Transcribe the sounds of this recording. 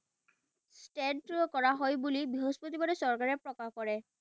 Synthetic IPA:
sʈɛntkɔɹaɦojbulibiɦɔspot̪ibadɛsɔɹkaɹɛpɹɔkahkɔɹɛ

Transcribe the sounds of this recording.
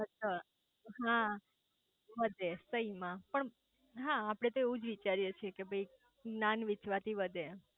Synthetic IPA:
ət͡ʃʰa | ɦã | ʋəd̪ʱesəimãpəɳ | ɦãːpɽ̃et̪oeũd͡ʒʋit͡ʃaɾjet͡ʃʰiekebʱəi | nanʋɪt͡ʃʋat̪ʰiʋəd̪ʱe

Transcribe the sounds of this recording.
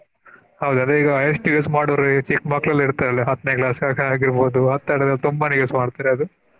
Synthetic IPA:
hɐwd̪uɐnd̪ɾeiːɡɐɐjɐsniɡeːsmaːɽɐʋɐɾit͡ʃikmɐklɐlːiɾt̪aːɾɐleɦɐt̪ːnejklaːsɡaːɡaːɡiɾbo̞ːd̪uɦɐt̪ːaːɽd̪ɐlːɐt̪umbɐneɡesmaːɖt̪aːɾeɐd̪u

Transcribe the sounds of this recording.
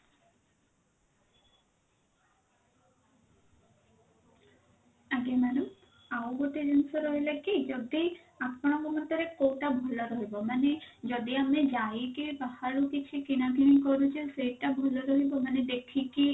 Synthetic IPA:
aɡemanum | aoɡoʈ̪ed͡ʒensɔɾɔɦilakid͡ʒɔd̪i | akʰːɔɽ̃ɔmɔmɔt̪ɔɾekowʈabʱɔlɔɾɔɦibɔmaned͡ʒɔd̪iamed͡ʒajikipahaɭukit͡ʃʰikinaɡʱiniŋkɔɾut͡ʃʰesejʈabʱɔlɔɾɔɦibɔmaned̪ekʰiki

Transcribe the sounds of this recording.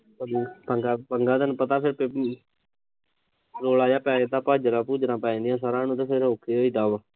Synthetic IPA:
pəiːpəŋɡaːpəŋɡaːt̪ənpət̪aːpʰɪɾpe | ɾoːlaːjaːpɛːet̪aːpaːd͡ʒɾãːpuːd͡ʒɾãːpɛ̃ːĩːnd̪ɪjãːsaːɾãːnũːt̪eːpʰɪɾɦoːkeːoːiːd̪aːʋa

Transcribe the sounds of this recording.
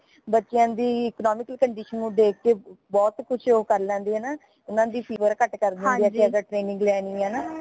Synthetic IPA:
bətːʃɪjãːd̪iːɪknɔːmɪkəlkəɳɖiːʃənːũːɖeːkːeːbɔːt̪kʊt͡ʃʰoːkəɾlɛ̃ːnd̪iːɦɛːnaː | ʊnãːd̪iːpʰiːʋəɾkəʈkəɾd̪ɛ̃niːɛːkeəɡəʈɾeːnɪ̃ŋɡlɛːnĩːɦɛːnaː

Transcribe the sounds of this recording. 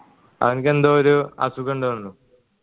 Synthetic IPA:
ɐ̰ðɐnke̞nd̪oːɾuɐ̰sukoɳɖɨuɳːu

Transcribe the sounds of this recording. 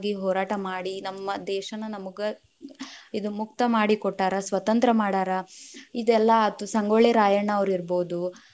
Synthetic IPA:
ɡiɦɔːɾaːʈɐmaːɽinɐmːɐd̪ɛːʃɐnɐnɐmɐɡe | id̪umuk̚t̪ɐmaːɽikɔʈːaːɾɐsʋɐt̪ɐnt̪ɾɐmaːɽaːɾɐid̪ɛlːɐɐt̪ːusɐŋɡoːɭeɾaːjɐɳɐːʋɐɾiɾbo̞ːd̪u

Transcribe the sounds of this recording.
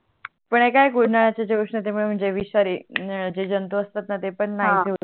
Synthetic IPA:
pəɳekajkuɽ̤ʱnaɭat͡ɕed͡ʑeʋʂɳət̪emuɭem̤əɳd͡zeʋiɕaɾid͡ʑed͡ʑənt̪uəst̪at̪nat̪epəɳːaɦd̪ʱe

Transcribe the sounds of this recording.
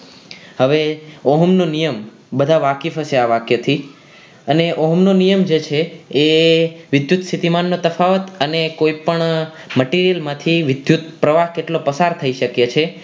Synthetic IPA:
həʋeoɦəmnonijəm | bəd̪ʱaʋakifəʃeaʋakjət̪ʰi | əneʔoɦəmnonijəmd͡ʒet͡ʃʰeː | ʋɪd̪jut̪sʰit̪imanːot̪əfaʋət̪ənekoipəɳməʈiɾijəlmãt̪ʰiʋɪd̪jut̪̚pɾəʋaɦkeʈlopəsaɾt̪ʰəiʃəkjet͡ʃʰe

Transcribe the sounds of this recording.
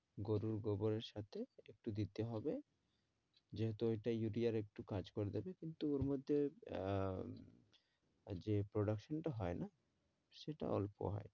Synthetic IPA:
ɡoɾuɾɡoboɾeɾʃat̪ʰeek̚ʈud̪it̪ːeɦɔbe | d͡ʑeɦet̪oeʈajuɖiaɾek̚ʈukad͡ʑkoɾed̪ebekint̪uoɾmod̪ʱːe | d͡ʑepɾoɖakʃonʈaɦɔena | ʃeʈa̰ɔ̰lpo̰ɦɔ̰e

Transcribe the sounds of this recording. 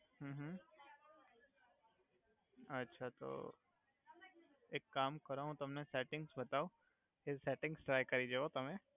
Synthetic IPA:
ɦə̃ːɦ̩ | ɐtːʃʰat̪o̰ː | eːkːaːmkɐɾaɦũt̪ɐmnesɛːʈɪ̃ŋɡsbɐt̪aːo | esɛːʈɪ̃ŋɡsʈɾaːjkɐɾid͡ʒeɦot̪ɐmẽ

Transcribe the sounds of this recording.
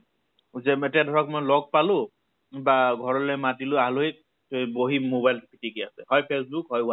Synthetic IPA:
zɛetijadʱɔɹɔk̚mojlɔɡ̚palʊ̃ | baɡʱɔɹɔlɛjmatilʊaɦaloɦik̚ | tojboɦimobajltpʰitʰikiasɛhɔjpʰes̬bukɦɔjʊa

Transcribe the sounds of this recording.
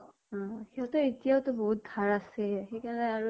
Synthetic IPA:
xiɦɔtɔetijaʊtɔboɦut̚dʱaɹasɛxejkaɹɔnɛaɹu

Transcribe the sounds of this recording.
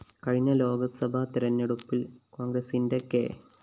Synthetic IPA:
kɐɻiɲːɐlo̞ːɡɐsɐbʱat̪iɾɐnːeɽupːilko̞ːŋɡɾɐsindekːḛ

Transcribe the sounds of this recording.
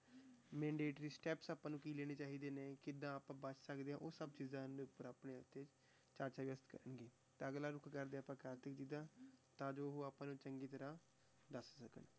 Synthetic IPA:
mɛ̃ːɳɖeːʈɾiːsʈɛːpsaːpːãːnũːkiːleːñeːt͡ʃaːɦiːd̪eːneːkɪd̪ãːaːpãːbət͡ʃʰsəkd̪eːãːʔoːsəbt͡ʃiːzãːd̪eːʊpːəɾaːpneːʊt̪ːeːt͡ʃ | t͡ʃaːɾt͡ʃaːʋɪəst̪kə̰ɾəɳɡiː | t̪eəɡlaːɾʊkʰkəɾd̪eaːpãːkaːɾt̪ɪkd͡ʒiːd̪ãːt̪ãːd͡ʒoːɦoːaːpãːnũːt͡ʃəŋɡiːt̪əɾãː | d̪əssəkən

